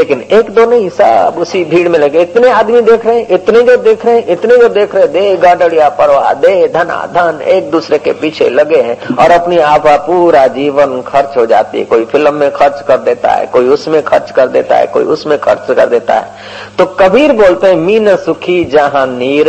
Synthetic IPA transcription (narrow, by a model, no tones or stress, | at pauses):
leːkɪneːkd̪oːnoɦɪsa̰ːbʊsibʱiːɽmẽleɡeɪt̪neaːd̪mid̪eːkʰɾəɦɛ̃ʔɪt̪ned͡ʒoːd̪eːkʰɾəɦɛ̃ʔɪt̪ned͡ʒod̪eːkʰɾəɦɛ̃d̪eːɡaːɖəɽijapəɾʋa̰d̪eːd̪ʱəna̰d̪ʱəneːk̚d̪uːsɾekepiːt͡ʃʰḛləɡeɦɛ̃ɔːɾɐpniaːpʰapuːɾad͡ʒiːʋənkʰəɾt͡ʃɦod͡ʒa̰ːt̪ḭɦɛ̰koːipʰɪlmːẽkʰəɾt͡ʃkəɾd̪eːt̪a̰ɦɛ̰koːiʊsmẽkʰəɾt͡ʃkəɾd̪ḛːt̪a̰ɦɛ̰ko̰ːḭʊsmẽkʰə̰ɾt͡ʃkə̰ɾd̪eːt̪a̰ɦɛ̰ː | t̪okəbʱiːɾboːlt̪eɦɛ̃miːnəsʊkʰid͡ʒəɦãniːɾ